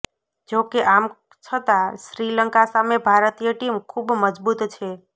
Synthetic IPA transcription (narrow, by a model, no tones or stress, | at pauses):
d͡ʒokeʔam | t͡ʃʰət̪aʃɾiləŋkasamebʱaɾt̪ijəʈimkʰubməd͡ʒbut̪t͡ʃʰe